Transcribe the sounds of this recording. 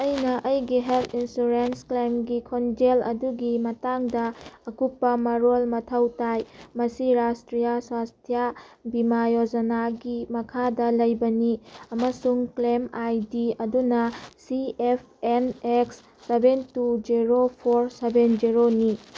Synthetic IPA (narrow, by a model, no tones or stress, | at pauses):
ɐjnɐʔɐjɡiɦeltʰinsuɾensklemɡikʰond͡ʒelɐ̰duɡimɐtaŋdɐːkupːɐmɐɾolmɐtʰɐwtajmɐsiɾastɾijaswastʰjabimajod͡ʒɐnaɡimɐkʰadɐlɐjbɐniɐmɐsuŋklemajdiɐdunɐsiepʰeneksː | ebentud͡ʒiɾopʰoɾsebend͡ʒiɾoni